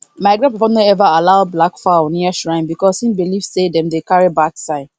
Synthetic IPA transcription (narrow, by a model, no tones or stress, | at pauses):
maɪɡɾãpipɔnoɛvaalaʊblakfaʊniaʃɹãɪ̃mbikɔsĩnbilivsedɛ̃mdekaɹibaksaɪd